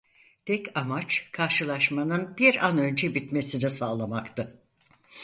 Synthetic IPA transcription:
t̪ʰɛcamat͡ʃkʰaɾʃɯlˠaʃmanɯnbiɾanø̞nd͡ʒɛbit̪me̞sinisaːlˠamakt̪ʰɯ

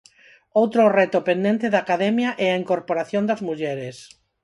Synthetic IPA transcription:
owt̪ɾorɛt̪ʊpẽnd̪ẽnt̪eðaːkaðɛmjaʔɛaiŋkoɾpoɾaθjõnd̪ɐzmuʎɛɾes

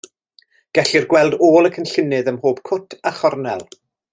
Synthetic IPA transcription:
ɡ̥ɛɬɨrɡwɛlˠdoːlˠəkʰənɬɪnɨðəmhoːb̥kʰʊtʰaχɔrnɛlˠ

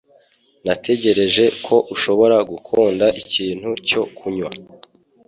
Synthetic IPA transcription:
natʰe̞ɟe̞ɾe̞ʒe̞kʰo̞ʔuʃo̞βo̞ɾaɡukʰuːndaʔiciːn̥huco̞kʰuɲwa

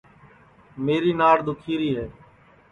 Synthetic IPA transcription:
meːɾiːnaːɽd̪ʊkʰiːɾiːɦɛː

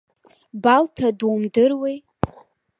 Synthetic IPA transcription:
baltʰadwumdɨrwej

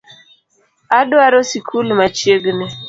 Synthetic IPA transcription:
adwaɾɔsikʰulmat͡ʃjeɡne

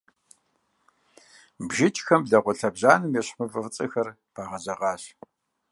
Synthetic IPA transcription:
bʒɪt͡ʃʰʼxɐmbɮɐʁʷʊɬɐbʑaːnɨmjɛɕħɨvɨft͡sʼɐxɐr | pʰaːʁɐʑɐʁɑːɕ

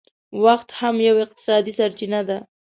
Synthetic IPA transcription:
waxt̪hamjawɪq̚t̪ɪ̥sɑd̪isaɾt͡ʃinad̪a

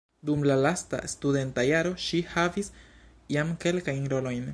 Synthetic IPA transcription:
dumlalasta̰estude̞ntajaɾo̞ʃihavis | jamke̞lkajnɾo̞lo̞jn

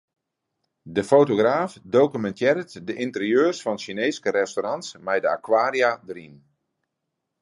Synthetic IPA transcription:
dəfoːtoɡraːfdowkymɛntʰjɪɾətdəʔintərjøːrsfɔnʃineːskəɾɛstoɾɑntsmɛjdəakwaːɾjadɾin

